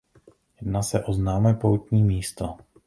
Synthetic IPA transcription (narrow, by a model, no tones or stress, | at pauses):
jɛdnaːsɛʔoznaːmɛpowt̪ɲiːmiːst̪o